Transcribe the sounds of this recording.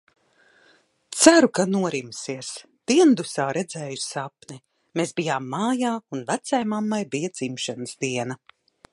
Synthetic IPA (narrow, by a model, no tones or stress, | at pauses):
t̪sæɾukanuɔɾimsiɛs | d̪̥iɛnd̪usaːɾɛd̪zɛːjusapnɛ | meːsbijaːmːaːjaːunvæt̪sajmamːajbijɐd̪zimʃanəsd̪iɛnɐ